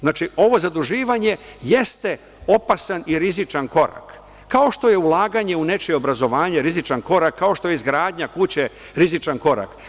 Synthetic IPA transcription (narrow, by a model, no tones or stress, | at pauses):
znaːt͡ʃio̞ʋo̞zad̪uʒiːʋaɲe̞je̞st̪e̞ | o̞pasaniɾizit͡ʃanko̞ɾa̰kː | ao̞ʃt̪o̞je̞ulˠaːɡaɲe̞une̞t͡ʃeo̞bɾazo̞ʋaːɲeɾizit͡ʃanko̞ɾakʰːao̞ʃt̪o̞jeizɡɾaːd̪ɲakut͡ɕe | ɾizit͡ʃanko̞ɾa̰k